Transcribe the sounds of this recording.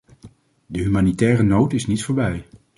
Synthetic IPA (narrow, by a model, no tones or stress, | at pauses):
dəɦymaːnitɛːrənowtɪsnitfʊːɹbɛj